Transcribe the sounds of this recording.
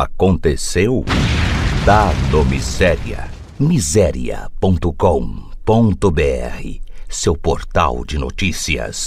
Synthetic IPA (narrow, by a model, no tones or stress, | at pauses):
a̰kõnt̪esew | t̪anomizɛɾiɐ̰ | mizɛɾḭɐ̰põnt̪ʊkõpõnt̪ʊbeɛ̰hɪsewpoɾt̪a̰wd͡ʒɪno̰t͡ʃisiɐ̰s